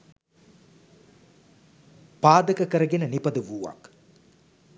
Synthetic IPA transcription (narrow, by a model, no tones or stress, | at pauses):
paːd̪əkəkəɾəɡenənipɐd̪əʋuːʋa̰k